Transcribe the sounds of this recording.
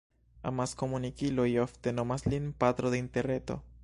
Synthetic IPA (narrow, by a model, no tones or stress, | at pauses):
a̰maskomunikiloioft̪enomaslinpat̪ɾoðeint̪eret̪o̰